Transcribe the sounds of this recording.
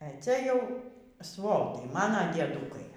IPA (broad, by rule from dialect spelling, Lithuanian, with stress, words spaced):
ɛ ˈt͡sʲɛ ˈjɛʊ ˈsʋoːtɐɪ ˈmɑːnɐ dʲiɛdˈuːkɐɪ